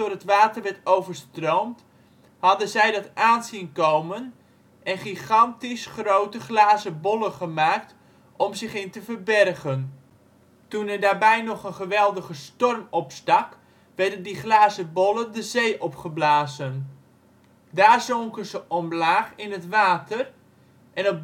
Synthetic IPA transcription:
dʊːrɦətʋaːtərʋɛɹtowvərstrowmt | hɑdənzɛjdɑtaːnzinkowmən | ʔɛnχiχɑntisχrowtəχlaːzəbɔləχəmaːk̚t | ʔɔmzɪχɪntəvərbɛrɣən | tunɛdaːɹbɛjnɔχənχəʋɛlˠdəχəstɔrmɔpstɑk | ʋɛrdəndiχlaːzəbɔləndəzejʔɔpχəblaːzən | daːrzɔŋkənzəʔɔmlaːχɪnɦətʋaːtər | ʔɛnɔp̚

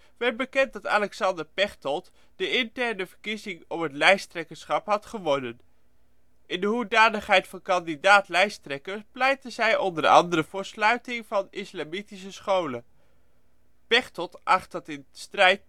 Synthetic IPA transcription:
ʋɛlbəkɛnt̚dɑta̰ːlɛksɑndəɹpɛχtɔt | d̥əɪntɛɹnəvəɹkizɪŋɔpɦətlɛjstrɛkəsχɑpɦɑtχəʋɔnən | ɪndəɦudaːnəχɦɛjtfɑnkɑndidaːtlɛjstrɛkəplɛjtəzɛjɔndəɹɑ̰ndəɾəv̥ʊːɹslœɥtɪŋvɑnɪslamitisəsχowlə | pɛχtɔlˠtʔɑχtɑtɪnstrɛjt̚

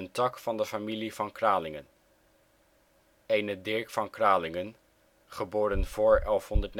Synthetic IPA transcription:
əntɑkfɑndəfamiliv̥ɑnkraːlɪŋən | eːnədɪɹkfɑnkraːlɪŋən | χəboːɾənv̥ʊːɹɛlˠfɦɔndəɹtn

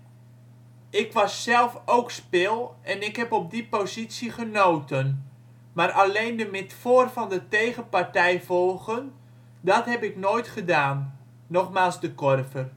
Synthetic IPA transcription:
ɪkʋɑsːɛlˠfowkspɪlˠɛnɪkɦɛpɔp̚dipozitsiχənoːtʰən | maɾʔalejndəmɪtfoːrvɑndətejɣəpartɛjvɔlˠɣən | dɑtɦɛpɪknoːjtχədaːnː | ɔχmaːlˠzdəkɔrvər

